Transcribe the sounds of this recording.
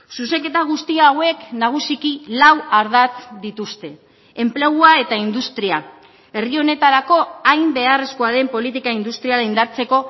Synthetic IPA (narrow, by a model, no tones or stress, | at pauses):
suseke̞t̪aɣ̞ust̪iawe̞knaɣ̞usikilawaɾðat͡s̪d̪it̪ust̪e̞ | emple̞ɣ̞uae̞t̪aind̪ust̪ɾia | e̞rio̞ne̞t̪aɾako̞ajmbe̞are̞sko̞aðe̞mpo̞lit̪ikaind̪ust̪ɾialaind̪aɾt͡se̞ko̞